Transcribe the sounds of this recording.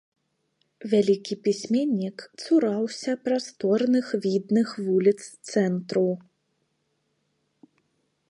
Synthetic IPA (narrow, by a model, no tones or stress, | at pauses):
vʲalʲikʲipʲisʲmʲenʲːikt̪suɾawsʲɐpɾast̪ɔrnɨxvʲid̪nɨxvulʲit̪st̪sɛnt̪ɾu